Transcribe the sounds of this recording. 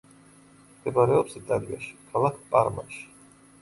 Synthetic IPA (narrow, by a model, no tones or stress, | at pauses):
ɡɛbʼaɾɛɔpsit̪ʼalia̰ʃi̥kʰalˠakʰpʼaɾma̰ʃi̥